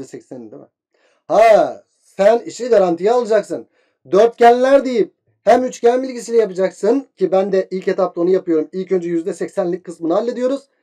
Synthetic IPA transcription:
ɛsɛcsænind̪ɛma̰ | ha | sæniʃiɡaɾant̪ʰijaːlˠɯd͡ʒaksɯn | d̪øɾt̪̚cælʲlʲːæɾd̪ejip̚ | hæmyt͡ʃcæmilʲɟisilʲɛjapɯd͡ʒaksɯncʰibænd̪ɛʔilʲcet̪ʰap̚t̪aonujapʰɯjo̞ɾumilʲcʰø̞nd͡ʒɛjyzd̪ɛsɛcsænlʲicʲkʰːɯsmɯnɯalʲːed̪ijoɾuz̥

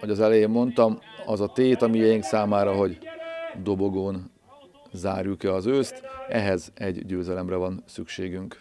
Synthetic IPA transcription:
ho̞ɟɒzɛlɛjeːmːo̞nt̪ɒmɒzɒt̪eːt̪ɒmijejiŋksaːmaːɾɒɦo̞ɟd̪o̞bo̞ɡoːn | zaːrjukɛɒzøːst̪ɛɦɛzɛɟɟøːzɛlɛmrɛvɒnsykʃeːɡyŋk

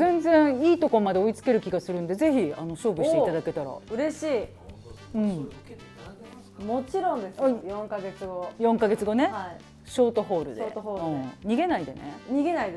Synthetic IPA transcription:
zẽ̞nd͡zẽ̞ɰ̃iːt̪o̞komad̪e̞oit͡sɨ̥ke̞ɾɯ̟kʲiɡasɨɾɯ̃nd̪e̞ze̞çiano̞ɕo̞ːbɯɕt̪eit̪ad̪ake̞t̪aɾa̰ɯ̟ɾe̞ɕiː | ɯ̟̃ɴ | mot͡ɕiɾõnd̪esajõŋkaɡe̞t͡sɨɡojõŋkaɡe̞t͡sɨɡo̞ne̞a | ɕo̞ːt̪o̞ɦo̞ːɾɯ̟̰d̪ːt̪oɦoːɯ̃ɲ̟iɡe̞naid̪e̞̰ne̞̰ɲ̟iɡe̞naid̪

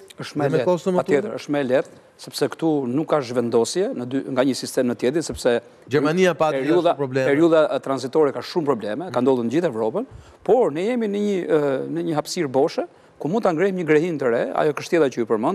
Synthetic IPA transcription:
əʃt̪mlɛɛɔst̪əat̪ɛt̪əʃt̪mɛɛlɛt̪̚ | sɛpsɛkt̪unukːaʃvɛnd̪ɔsjɛnəd̪yŋɡaɲəsist̪ɛmnət̪jɛd̪insɛpsɛ | d͡ʒɛɾmaniapaɛɾiuðapɾɔblɛpɛɾiuðat̪ɾanzit̪ɔɾɛkaʃumpɾɔblɛmɛkand̪ɔlˠuɾnəd͡ʑiθɛvɾɔpən | pɔɾnɛjɛminəɲənəɲəɦapsiɾbɔʃɛ | kumund̪t̪aŋɡɾɛhmɲəɡɾɛɦint̪əɾɛa̰jɔkəʃt̪ɛlˠat͡ɕəipəɾmən

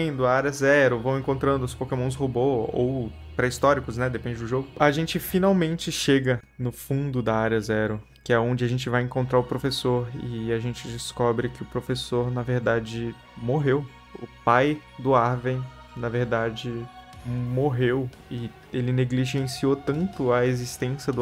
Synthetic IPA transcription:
ẽd̪ʊɐaɾɐzɛɾʊvɐ̃w̃ẽŋkõnt̪ɾɐ̃nd̪ʊspokemõs̬hoboo̰w | pɾɐist̪ɔɾikʊsnɛd̪epẽnd͡ʒɪd̪ʊʒoɡʊɐʒẽnt͡ʃɪfinawmẽnt͡ʃɪʃeɡɐnʊfũnd̪ʊd̪ɐaɾɐzɛɾʊ | kɪɛõd͡ʒɪaʒẽnt͡ʃɪvajẽŋkõt̪ɾaɾʊpɾofesoɾɪ̰aʒẽt͡ʃɪd͡ʒɪskɔbɾɪkɪʊpɾofesoɾnɐveɾd̪ad͡ʒɪ | moɦew | ʊ̰paj | d̪ʊaɾvẽj̃ | nɐveɾd̪ad͡ʒɪ | moɦew | ɪ | elɪneɡliʒẽsiot̪ɐ̃nt̪ʊɐezist̪ẽsjɐd̪ʊ

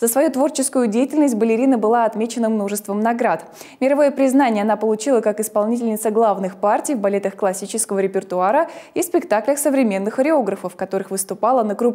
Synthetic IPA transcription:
zəsvɐjut̪vo̞rt͡ɕɪskʊjʊdʲejɪtʲɪlʲnəsʲt̚ʲbəlʲɪɾʲinəbɨlˠaɐt̪mʲet͡ɕɪnəmno̞ʐɨst̪vəmnɐɡɾat̪mʲɪɾɐvojəpɾʲɪznanʲɪjəɐnapəlˠʊt͡ɕilˠəkakɪspɐlˠnʲitʲɪlʲnʲɪt̪səɡlˠavnɨxpartʲɪjvbɐlʲe̞t̪əxklˠɐsʲit͡ɕɪskəvəɾʲɪpʲɪrt̪ʊaɾəispʲɪkt̪aklʲəxsəvɾʲɪmʲe̞nːɨxəɾʲɪo̞ɡɾəfəfkɐt̪o̞ɾɨxvɨst̪ʊpalˠənəkɾup

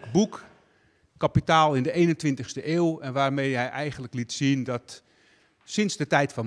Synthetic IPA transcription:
buk | kapitaːlˠɪndəejnəntʋɪntəχstəʔeːwɛnʋaːrmejɦɛjʔɛjɣənləklitsindɔt | sɪnzdətɛjtfɔn

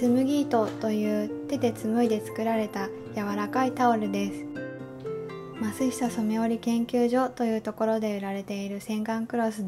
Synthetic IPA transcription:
sɨmɯ̟ɡʲiːt̪o̞t̪o̞jɯ̟ːt̪e̞t̪e̞t͡sɨmɯ̟id̪e̞t͡sɨ̥kɯ̟ɾaɾe̞t̪a | jaβaɾakait̪aoɾɯ̟d̪e̞sɨ̥ | masɨɕi̥t̪asomeo̞ɾʲikẽ̞ŋkʲɨːʑo̞t̪o̞jɯ̟ːt̪o̞ko̞ɾo̞d̪e̞ɯ̟ɾaɾe̞t̪e̞iɾɯ̟sẽ̞ŋɡãŋkɯ̟ɾo̞sɨ

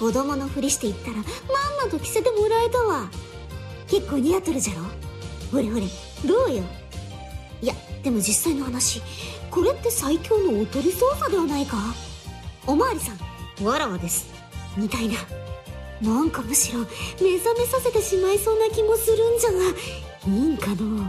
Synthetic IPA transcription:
kod̪omanoɸɯ̟ɾʲiɕi̥t̪e̞it̪ːaɾamamːat̪o̞kʲi̥se̞t̪e̞mo̞ɾaet̪aβa | ke̞kːo̞ːɲ̟ijat̪ːeɾɯ̟ʑaɾo̞ːhoɾehoɾʲi | d̪o̞ːjo | ijad̪̥e̞mo̞d͡ʑisːaino̞hanaɕiko̞ɾe̞t̪ːe̞saikʲo̞ːmoːt̪o̞ɾʲiso̞ːsad̪e̞βanaika | omaːɾʲisãŋβaɾaβad̪e̞sɨ̥ | mʲit̪aina | nãŋkamɯ̟ɕiɾo̞me̞zame̞sase̞t̪e̞ɕimaiso̞ːnakʲimo̞sɨɾɯ̟̃ɲd͡ʑana | iŋkad̪oː

